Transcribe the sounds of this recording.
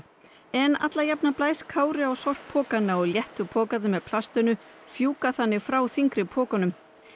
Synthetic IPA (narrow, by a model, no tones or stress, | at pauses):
ɛna̰t̪lajapnaplaːjskʰaːwɾɪawsɔr̥kpʰɔːkanːaɔɣljɛht̪ʏpʰɔːkaðʏmɛðpʰl̥ast̪ɪnʏ | fjuːkaθanːɪɣfɾawθiŋkɾɪpʰɔːkanʏm